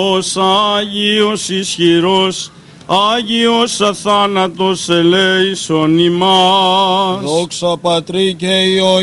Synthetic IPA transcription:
osɐʝiosisçiɾos | ɐʝiosɐθɐnɐt̪oseleisonimɐ | ðoksɐpɐt̪ɾikeio

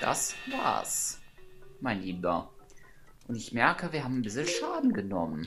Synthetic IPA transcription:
d̥a̰sva̰ːɐs | maɪnliːbɐ̰ | ʔʊntɪçmɛɐkəviːɐhaːbmbɪsl̩ʃaːdn̩ɡənɔmən

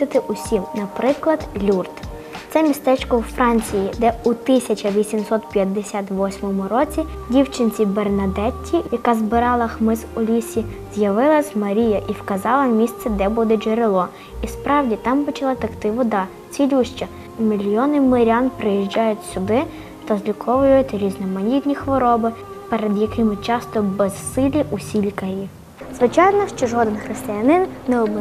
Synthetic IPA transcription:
ɪt̪ɪʔʊsʲimnɐpɾɪklˠɐd̪lʲurt̪ | t̪sɛmʲist̪ɛt͡ʃkɔwfɾɑnʲt͡sʲijid̪ɛut̪ɪsʲɐt͡ʃɐʋʲisʲimsɔt̪pʲjɐd̪ːesʲat̪ʋɔsʲmɔmʊɾɔt͡sʲi | dʲiwt͡ʃɪnʲt͡sʲibernɐd̪ɛtʲʰːijɐkɑzbɪɾɑlˠɐxmɪzʊlʲisʲi | z̥ʲjɐʋɪlˠɐsʲmɐɾʲijɐʔiwkɐzɑlˠɐmʲist̪sɛd̪ɛbud̪ɛd͡ʒeɾɪlˠɔ | ispɾɑwdʲit̪ɑmpɔt͡ʃɐlˠɑt̪ɐkt̪ɪʋɔd̪ɑ | t͡sʲilʲuʃt͡ʃɐ | mʲilʲjɔnɪmɪɾʲɑnpɾɪjiʒd͡ʒɑjʊtʲsʲʊd̪ɪ | t̪ɐzʲlʲikʰɔʋʊjʊjʊtʲɾʲiznɔmɐnʲit̪ʲnʲixʋɔɾɔbɪ | pɛɾed̪jɐkɪmɪt͡ʃɑst̪ɔbɛzsɪlʲiʔusʲilʲkɐɾʲi | zʋɪt͡ʃɑjnɔʃt͡ʃɔʒɔd̪enxɾɪst̪ɪjɐnɪnːɛɔb

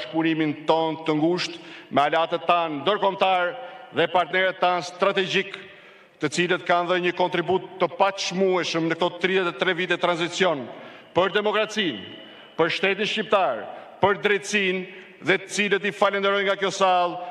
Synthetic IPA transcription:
ʃpunimint̪ɔnt̪əŋɡuʃt̪mɛalat̪ɛt̪ːannd̪əɾkɔmt̪aɾðɛpaɾt̪nɛɾɛt̪ːanst̪ɾat̪ɛd͡ʑik | t̪ət͡silət̪kanðəɲəkɔnt̪ɾibut̪ːəpat̪ʃmuɛʃəmnək̚t̪ɔt̪ɾiðɛt̪ɛt̪ɾɛvit̪ɛt̪ɾanzit͡sjɔn | pəɾd̪ɛmɔkɾat͡sin | pəɾʃt̪ɛt̪̬inʃcip̚t̪aɾpəɾd̪ɾɛt̪əsin | ðɛt̪ə̥t͡silət̪ifalɛnd̪ɛɾɔjŋɡakjɔsalˠ

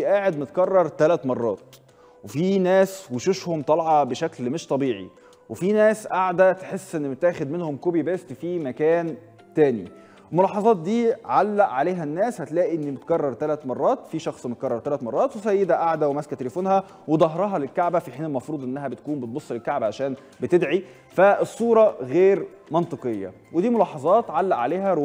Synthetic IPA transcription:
iʔaːʕed̪̚met̪kɑrˤːɑɾˤt̪ælæt̪mɑrˤːɑːt̪̚ | wefinæːsweʃoʃhomt̪ˤɑlʕɑbeʃæklmeʃt̪ˤɑbiːʕḭ | wefinæːsʔaʕd̪æt̪ħesːʔenːbet̪æːxed̪menhomkobibæst̪fiːmækæːn | t̪æːnḭ | wmolɑːħɑzˤɑːt̪̚d̪iːʕalːæʔʕaleːɦænːæːshæt̪læːʔiʔenːibet̪kɑrˤːɑɾˤt̪ælæt̪mɑrˤːɑːt̪fiʃɑxsˤmet̪̚kɑrˤːɑɾˤt̪ælæt̪mɑrˤːɑːt̪wesæjːed̪æʔaʕd̪æwemæskæt̪elefoːnhæ | wed̪ˤɑɦɾˤɑɦɑlelkaʕbæfiħiːnelmɑfɾuːd̪ˤʔenːæɦæbet̪̚kuːmbet̪̚bosˤːlelkaʕbæʕaʃæːn | bet̪ed̪ʕi | fæesˤːuːɾˤɑɣeːɾmɑnt̪ˤɨqejːɑ̰ | wed̪iːmolɑːħɑzˤɑːt̪ʕalːæʔʕaleːɦæɾ

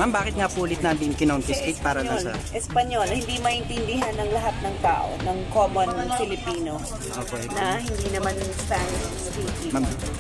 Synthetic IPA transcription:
mambaːkɪt̪̚ŋapuːlɪt̪̚nand̪ɪnkɪnont̪ɪskɪt̪̚paːɾɐalsɐ̰ʔɛspɐɲolhɪnd̪imɐʔɪnt̪ɪnd̪ɪɦanɐŋlɐɦat̪̚nɐŋt̪a̰ːʔo̰nɐŋkoːmonfɪlɪpiːno | ʔoːkɛnɐhɪnd̪inɐmanspanʃɐsɐbik̪imam

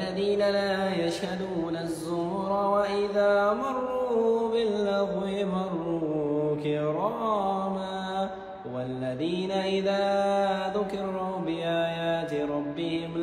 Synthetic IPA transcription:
aðiːnalaːjaʃhad̪uːnazːʊh | ɾˤɑwaʔɪðaːmɑrˤːuːbɪlːɑɣwɪmɑrˤːuːukɪɾˤɑma | walːaðiːnaʔɪðaːðʊkɪɾˤuːbɪʔaːjaːt̪ɪɾˤɑbːɪhɪm

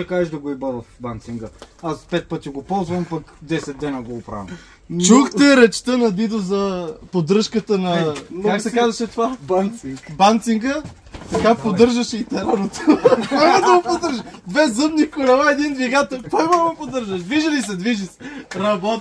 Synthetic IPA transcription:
ɐkaɛʃd̪ɐɡoibavɐfbant̪siŋɡəaspɛt̪̚pɤt̪iɡopɔlˠzvɐmpɐkd̪ɛsɛd̪̚d̪ɛnɐɡoːpɾa̰vɐ̰ | t͡ʃuxt̪ɛɾɛt͡ʃt̪ənɐb̪id̪ozɐpod̪ɾɤʃkət̪ənɐkaksɛkazɐʃɛt̪ovabbant̪siŋɡə | t̪ɐkapod̪ɤɾʒɐʃɛit̪ɛɾanot̪opamɛd̪ɐɡopod̪ɤɾʒəd̪vɛzɤmnikolɛvaɛd̪ind̪viɡat̪ɛlˠpamɛd̪mɛpod̪ɤɾʒɐʃd̪viʒɐlisɛd̪viʒisɛ̥ɾɐbɔ

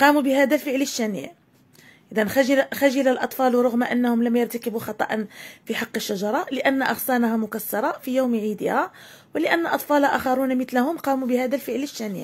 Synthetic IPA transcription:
qɑmubəhæd̪ælfəʕləʃːænḭʕ | ʔʔəd̪ænxæʒlxæʒilalʔɑt̪ˤfɑlwɾˤʊɣmaʔənːhʊmləmjɑɾˤt̪akəbuxɑt̪ˤɑ̰ʔɑnfiħɑqːəʃːaʒɑɾˤɑləʔænːaʔɑ̰ɣsænahæmʊkæsːɑɾˤɑfijuwmʕid̪əhæ | wələʔæ̰nːʔɑ̰t̪ˤfɑlʔæ̰xɑɾˤunmət̪lahʊmqɑmubəhæd̪ælfəʕləʃːænḭʕ

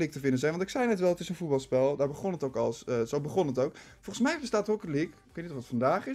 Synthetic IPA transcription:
lik̚təvɪndənzɛjnʋɑntɪksɛjnɛtʋɛlˠətɪsənfut̚bɑlˠspɛlˠdaːɹbəχɔnətowkɑlˠsəzowbəχɔnətowkfɔlˠχənsmɛjbəstaːtrɔkəlikkejtnitɔfətfɑndaːχɪ

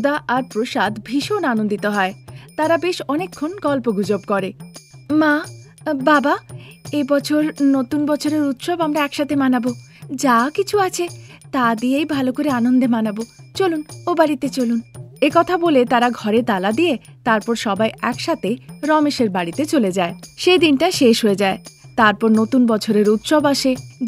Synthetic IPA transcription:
d̪aʔaɾpɾoʃad̪bʱiʃonanond̪it̪eɦɔet̪aɾabeʃɔnekʰːonɡɔlpoɡʱud͡ʑobkɔɾema | babaebɔt͡ɕʰoɾnot̪unbɔt͡ɕʰoɾeɾut̪ʃɔbamɾaɛkʃat̪ʰemanabo | d͡ʑakit͡ɕʰuat͡ɕʰet̪ad̪ijejbʱalokoɾeanond̪ʱemanabot͡ɕolunobaɽit̪et͡ɕolunekɔt̪ʰabolet̪aɾaɡʱɔɾet̪alad̪ijet̪aɾpɔɾʃɔbajɛkʃat̪ʰeɾɔmeʃeɾbaɽit̪et͡ɕoled͡ʑaeʃejd̪inʈaʃeʃɦoed͡ʑaet̪aɾpɔɾnot̪unbɔt͡ɕʰoɾeɾut̪ʃobaʃe

